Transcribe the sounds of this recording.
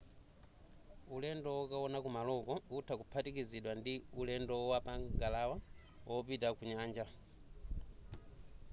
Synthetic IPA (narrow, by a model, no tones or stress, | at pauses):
ulɛndɔwɔkawɔnakumalɔkɔutʰakupʰatikiziɗwandiulɛndɔwapaŋɡalawa | wʔɔpitakuɲaːɲd͡ʒa